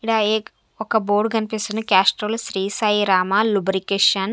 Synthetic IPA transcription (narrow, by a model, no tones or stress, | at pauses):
iɽaːeː | ɔkɐboːɾɖɡɐnipist̪und̪ikʲaːsʈɾoːlʃɾiːsɐjiɾaːmalubɾikeːʂɐn